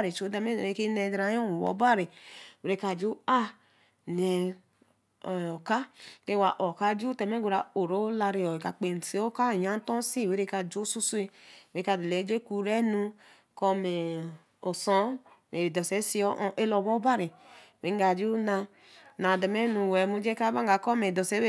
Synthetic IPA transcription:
ɾi˨t͡ʃo˨˦dɛ˧me˦˨ɾe˨˦ke˦ne˧˨dɾa˨˦o˦˨wɔ̰˨˦ba˦ɾi˨we˨ɾe˦ka˨d͡ʒu˦a˦ | nɛ˨ | ɔ˨o˨ka˦ke˦wa˨ʔo˨ka˦d͡ʒu˦tɛ˨me˦ɡʷu˨ɾa˨o˨ɾo˦la˧ɾe˨ɔ˨e˨ka˨k͡pe˨n˨si˨˦o˦ka˦˨ja˦n˦tɔ˦si˦˨we˨˦ɾe˦ka˧d͡ʒo˦su˦su˦i˦we˨ɾe˦ka˧˨de˨le˨˦d͡ʒe˦ku˧ɾɛ˦nu˧ | kɔ˧me˨ | o˨sɔ˦me˨dɔ˨sɛ˨˦si˦ɔ˦ʔʔe˦lɔ˧˨bɔ˦ba˦ɾi˨we˨˦ŋ˦ɡa˧˨d͡ʒu˦na˧ | na˨dɛ˨mɛ˦nu˧wɛ˨˦mu˦d͡ʒe˦ka˦ba˦ŋ˦ɡa˨kɔ˦me˨dɔ˨sɛ˦w

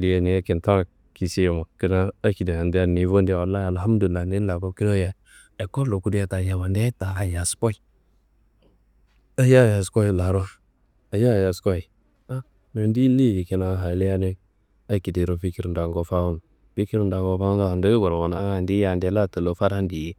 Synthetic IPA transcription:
di˨ja˦ni˨˦a˦ki˨n˨ta˦˨ | ki˨si˦˨ma˨ki˦na˦a˦ki˨de˨ja˨ndi˦a˦˨ni˨˦vo˦ndi˦˨wa˨lːa˦ja˨lha˦m˦du˨li˨lːa˨ni˦la˨ko˦ki˦ɾo˦ja˨ | e˨ko˦lo˨ku˦di˦a˦ta˨ja˨ma˨nde˦ta˨a˨ja˨sko˦i˦ | a˦ja˦˨ja˨sko˦i˨la˨ɾo˦ | a˨ja˦˨ja˨sko˦i˨ | a˦ | me˨ndi˦li˦˨ji˨ki˨na˨˦ɦa˨le˦ja˦ne˦ | a˦ki˨de˨ɾo˨pi˦ki˦ɾu˦n˨da˨ŋɡo˦fa˦wu˦n | pi˦ki˦ɾnda˨ŋɡo˦fa˦u˦na˦˨a˨do˦i˦ɡo˨ɾwa˨na˨˦ŋa˨ndi˦ja˨nde˨˦la˦˨tə˨lo˨fa˦ɾa˦ndi˨j

